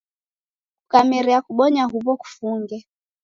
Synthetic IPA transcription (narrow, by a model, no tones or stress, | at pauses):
kukamɛɾiakuɓɔɲaɦuβɔku̥fuŋɡɛ